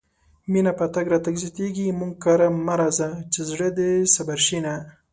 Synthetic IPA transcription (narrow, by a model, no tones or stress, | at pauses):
minapat̪aɡɾɑt̪aɡzɑt̪eɡimuŋɡ̚kɑɾamaɾɑzat͡ʃezɽəd̪esabaɾʃina